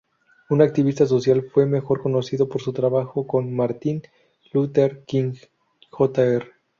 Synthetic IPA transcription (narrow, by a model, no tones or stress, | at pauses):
unak̚t̪iβist̪as̬o̞sjalfwe̞me̞xo̞ɾko̞no̞siðo̞po̞ɾsut̪ɾaβaxo̞ko̞nmaɾt̪in | lut̪eɾkiŋ | xot̪aere